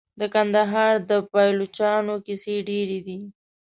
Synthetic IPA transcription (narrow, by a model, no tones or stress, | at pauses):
d̪əkand̪aɦɑɾd̪əpɑjlot͡ʃɑnokiseɖeɾed̪i